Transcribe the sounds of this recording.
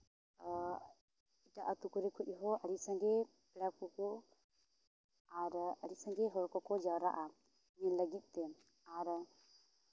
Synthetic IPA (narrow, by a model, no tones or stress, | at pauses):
iʈaʔat̪ukuɾɛkʰuʔ̚ˀɦɔaɾisãŋɡɛ | pɛɽakkuku | aɾəɾisãŋɡɛɦɔɾkɔkɔd͡ʒawɾaʔa | ɲɛnləɡit̪̚ˀt̪ɛ | aɾ